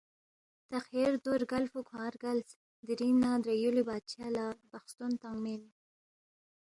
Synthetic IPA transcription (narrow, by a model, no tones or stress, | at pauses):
t̪axeɾd̪oɾɡalfukʰɑ̃ːɾɡals | d̪iɾinːad̪ɾajulibɑːd̪̚t͡ʃjalɑb̥axst̪unt̪aŋɡmel